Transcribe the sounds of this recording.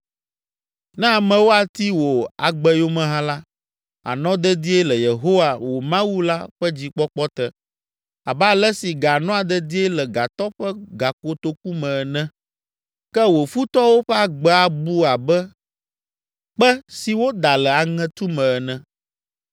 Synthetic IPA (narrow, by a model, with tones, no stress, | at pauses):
nɛ̃˦a˨mɛ̃˨wo˦a˨t̪i˦wo˨a˨ɡ͡bɛ˦jo˦mɛ̃˦ɦã˦la˦ | a̰˨nɔ̃˦d̪ɛ˦d̪i˦e˦lɛ˨je˨ɦo˦wa˨wo˨mã˦wu˦la˦ɸɛ˦d͡ʑi˨k͡pɔ˦k͡pɔ˦t̪ɛ˦ | a˨ba˦lɛ˦si˨ɡa˨nɔ̃˦a˨d̪ɛ˦d̪i˦e˦lɛ˨ɡa˨t̪ɔ˦ɸɛ˦ɡa˨ko˨t̪o˦ku˦mɛ̃˨ɛ˨nɛ̃˦ | kɛ˦wo˨fu˦t̪ɔ˦wo˦ɸɛ˦a˨ɡ͡bɛ˦a˨bu˦a˨bɛ˦ | k͡pɛ˦si˨wo˦d̪a˨lɛ˨a˨ŋɛ̃˦t̪u˦mɛ̃˨ɛ˨nɛ̃˦